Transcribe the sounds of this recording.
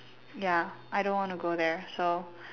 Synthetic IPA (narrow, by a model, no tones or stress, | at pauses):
jæʔaɪɾõnwɑ̃nəɡoʊðə˞soʊ